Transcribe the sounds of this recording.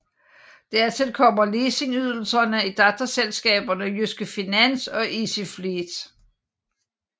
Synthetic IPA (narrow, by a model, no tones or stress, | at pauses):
d̥æɐ̰t͡sʰelkʰɒ̽m̰ɐle̝ːse̝ŋyð̞ˠl̩sɐnəid̥ɑ̈t͡sʰɐselsɡ̥ɛ̰ːb̥ɐnəjysɡ̥əfinæn̰sɒ̽ʔisiflid̥